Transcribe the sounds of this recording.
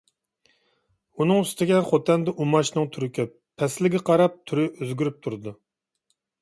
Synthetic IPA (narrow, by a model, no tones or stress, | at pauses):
unɨŋyst̪ɪɡʲɛχot̪ʰɛnd̪ɛʔumɑʃnɨŋt̪ʰyɾɪkʲɛpʰːɛslɪɡʲɛqʰɑɾɑp̚t̪ʰyɾɪʔøzɡʲyɾyp̚t̪ʰuɾɨd̪u